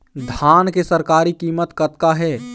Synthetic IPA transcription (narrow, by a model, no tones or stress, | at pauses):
d̪ʱaːnkesəɾkaːɾikiːmət̪kət̪kaɦɛː